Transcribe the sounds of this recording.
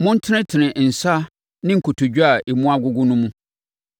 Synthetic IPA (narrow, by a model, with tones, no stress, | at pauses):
mʊ̃˦n̩˦tʰɪ˦nɪ̃˦tʰɪ˨nɪ̃˨n̩˨sa˦ | nɪ̃˦ŋ̩˨kʰʊ˨tʰʊ˨d͡ʑᶣu˦a˨e˨mũ˦a˦ɡʊ˦ɡʊ˦nʊ̃˦mũ˦